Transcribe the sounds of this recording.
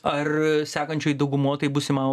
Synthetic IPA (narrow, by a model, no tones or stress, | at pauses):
ɐrsʲæːkɐnʲt͡ʃʲoːjd̪ɐʊɡʊmoɔt̪ɐɪbuːsʲɪmɐ